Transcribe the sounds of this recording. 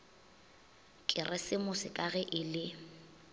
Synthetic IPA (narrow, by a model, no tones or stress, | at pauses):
kʼɪrɛsɪmʊsɪkʼaɣɛʔɪlɪ